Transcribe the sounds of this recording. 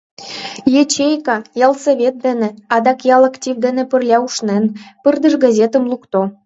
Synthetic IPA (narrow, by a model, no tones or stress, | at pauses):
jet͡ɕejkɑjɑlˠseβʲet̪̚d̪enĕɑd̪ɑkjɑlɑktʲivd̪enĕpə̆rlʲɑuʃnenpərd̪ə̆ʃɡɑzʲet̪ə̆mlˠukt̪o